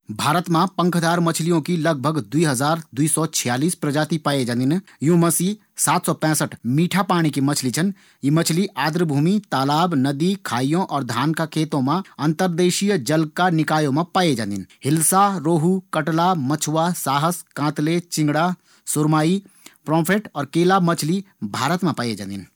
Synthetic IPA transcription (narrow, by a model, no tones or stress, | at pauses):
bʱaːɾət̪mãpə̃ŋkʰd̪aːɾmɐt͡ʃʰlijõkilɐɡ̚bʱəɡd̪uiɦɐzaːɾd̪uiːsɔt͡ʃʰɪjaːliːspɾɐd͡ʒaːt̪ipaːjed͡ʒãːnd̪injũːmɐsiː | saːt̪sɔpɛ̃ːsəʈmiːʈʰapaːɽ̃ikimɐt͡ʃʰlit͡ʃʰən | jimɐt͡ʃʰliʔaːd̪ɾəbʱuːmit̪aːlaːbnɐd̪ikʰaːijõʔɔːɾd̪ʱaːnkakʰeːt̪õmãɐ̃nt̪əɾd̪eːʃijd͡ʒɐlkanɪkaːjõmẽpaːjed͡ʒã̰nd̪ɪnhɪlsaɾoːɦukɐʈlamɐt͡ʃʰwasaːɦəskãːt̪let͡ʃɪ̃ŋɡɽaː | sʊɾmaːi | pɾɔːpʰeːʈɔːɾkeːlaːmɐt͡ʃʰli | bʱaːɾət̪mẽpaːjed͡ʒã̰ːnd̪ɪn